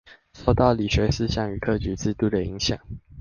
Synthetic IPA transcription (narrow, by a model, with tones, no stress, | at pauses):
so˥˧ʊt̪ɑ˥˩ʊli˨˩ɕɥɛ˧˥sɹ̩˥˧ɕjɑ˥˩ŋy˨˩kʰɤ˥˧˩t͡ɕy˧˥t͡sɹ̩˥˧t̪u˥˩d̪ə˩i˧˥ŋɕjɑ̰˨˩˦ŋ